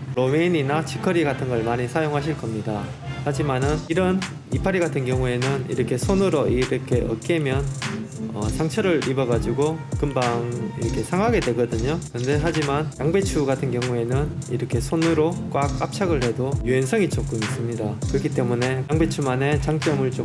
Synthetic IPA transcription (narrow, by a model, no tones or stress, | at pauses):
ɾomeɲinat͡ɕʰikʰʌɾiɡatʰɯnɡʌɭmaɲisʰajoŋɦaɕ̬ʰiɭk͈ʌmɲida | had͡ʑimanɯniɾʌn | ipʰaɾiɡatʰɯnɡjʌŋue̞nɯnḭɾʌkʰe̞sʰonɯɾoiɾʌkʰe̞ʔʌ̰k͈e̞mjʌnʌt͡ɕaŋt͡ɕʰʌɾɯɭibʌɡad͡ʑiɡokɯmbaŋiɾʌkʰe̞sʰaŋɦaɡe̞dwe̞ɡʌdɯɲokɯɯnde̞ɦad͡ʑimanjaŋbe̞t͡ɕʰuɡatʰɯnɡjʌŋue̞nɯniɾʌkʰe̞sʰonɯɾok͈wak͈̚ap̚t͡ɕʰaɡɯɭhe̞dojuensʰʌŋit͡ɕ͈ok͈omis͈ɯmɲidakɯɾʌkʰit͈e̞mune̞aŋbe̞t͡ɕʰumane̞t͡ɕaŋt͡ɕ͈ʌmɯɭt͡ɕ͈o